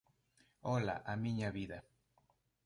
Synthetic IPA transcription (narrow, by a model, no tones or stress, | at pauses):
ola̰ʔamiɲaβiða